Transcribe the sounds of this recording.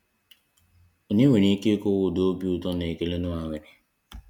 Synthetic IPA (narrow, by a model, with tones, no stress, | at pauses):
o˨ɲe˦we˨ne˦ke˦ko˦wʊ˦˨do˦pi˦u˨tɔ˦ne˨e˨ke˨le˦nũ˦a˨we˨nɪ˨